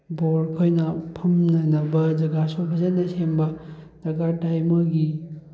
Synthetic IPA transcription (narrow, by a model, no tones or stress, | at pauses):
boɾkʰojnɐpʰɐmnɐnɐbɐd͡ʒɐɡasopʰɐzenɐsembɐd͡ʒɐɡatajmɐɡi